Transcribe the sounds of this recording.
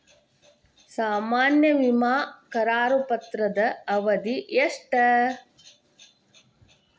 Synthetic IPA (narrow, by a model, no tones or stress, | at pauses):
saːmaːnjɐʋimaːkɐɾaːɾupɐt̪ɾɐd̪ɐɐʋɐd̪ieʂʈɐ